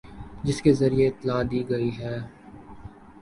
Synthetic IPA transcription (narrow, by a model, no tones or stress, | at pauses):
d͡ʒɪskezɐɾijeɪt̪ːɪlaːd̪iːɡɐiɦɛː